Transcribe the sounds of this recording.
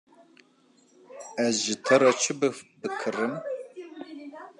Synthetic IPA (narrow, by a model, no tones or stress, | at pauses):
ɐzʒɪtʰɐɾɐt͡ʃʰɪbɨfbɨkʰɨrɨm